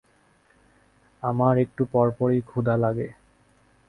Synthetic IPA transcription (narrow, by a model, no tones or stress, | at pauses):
amaɹek̚ʈupɔɹpɔɹikʰud̪alaɡe